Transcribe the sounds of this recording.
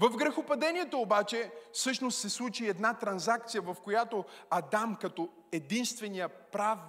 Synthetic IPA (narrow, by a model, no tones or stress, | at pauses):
vɐvɡɾɛxopɐd̪ɛniɛt̪oːbat͡ʃɛfsɤʃnost̪sɛslˠut͡ʃiɛd̪nat̪ɾɐnzak̚t̪sijəvɐfkojat̪oɐd̪amkɐt̪o | ɛd̪inst̪vɛnijəpɾav